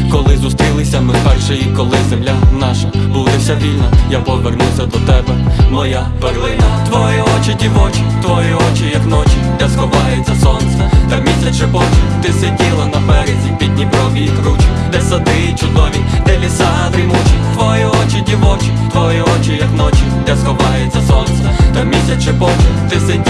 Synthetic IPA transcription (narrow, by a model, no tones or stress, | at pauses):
kɔlˠɪzust̪ɾʲilˠɪsʲɐmɪpɛrʃejikɔlˠɪzemlʲanɑʃɐ | bud̪ɛsʲɐʋʲilʲnɐjapɔʋernuwsʲɐd̪ɔt̪ɛbɛmɔja | pɛrlˠɪnɐt̪ʋɔjiɔt͡ʃɪdʲiʋɔt͡ʃit̪ʋɔjiɔt͡ʃijɐknɔt͡ʃid̪ɛsxɔʋɑjʊt͡sʲːɐsɔnt̪sɛd̪ɛmʲisʲɐt͡ʃɛpɔt͡ʃʲɪt̪ɪsedʲilˠɐnɐpɛɾɛzʲipʲid̪ʲnʲibɾɔʋʲiikɾut͡ʃid̪ɛsɐd̪ɪt͡ʃʊd̪ɔʋʲid̪ɛlʲisat̪ɾʲɪmut͡ʃit̪ʋɔjiɔt͡ʃɪdʲiʋɔt͡ʃɪt̪ʋɔjiɔt͡ʃijɐknɔt͡ʃʲid̪ɛsxɔʋɑjɛtt͡sʲːɐsɔnsɛd̪ɛmʲisʲɐt͡ʃɪpɔt͡ʃɪt̪ɪsɛdʲ